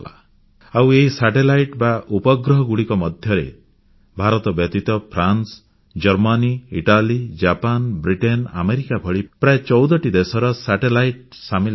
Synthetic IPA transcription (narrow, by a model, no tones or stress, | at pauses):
la̰ | aweɦisaʈelajʈbaʔupɔɡɾɔɦɔɡuɽikɔmɔd̪ʱjɔɾḛ | bʱaɾɔt̪ɔbjɔt̪it̪ɔpʰɾans | d͡ʒɔɾmaniiʈalid͡ʒapanbɾiʈena̰meɾikabʱɔɭipɾaet͡ʃɔwd̪ɔʈid̪esɔɾɔsaʈelajʈ | sami